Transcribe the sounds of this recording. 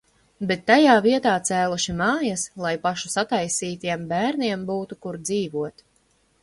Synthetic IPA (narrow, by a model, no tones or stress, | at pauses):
bet̪ːajaːviɛt̪aːt̪sæːlˠuʃimɑːjaslˠajpaʃusat̪ajsiːt̪iɛmbæːɾniɛmbuːt̪ukuɾd̪ziːvuɔt̪